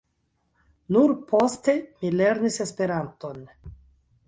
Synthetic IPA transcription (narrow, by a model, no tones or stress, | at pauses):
nuɾpo̞ste̞mile̞ɾnise̞spe̞ɾanto̞n